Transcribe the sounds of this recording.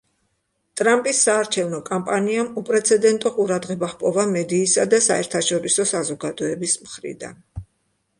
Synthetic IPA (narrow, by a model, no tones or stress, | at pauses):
t̪ʼɾampʼisːaːɾt͡ʃʰɛvnɔkʼampʼaniamupʼɾɛt̪sʰɛd̪ɛnt̪ʼɔqʼuɾad̪ʁɛbaχpʼɔvamɛd̪iːsad̪asaɛ̰ɾt̪ʰaʃɔɾisɔsazɔɡad̪ɔɛbismχɾḭd̪a̰n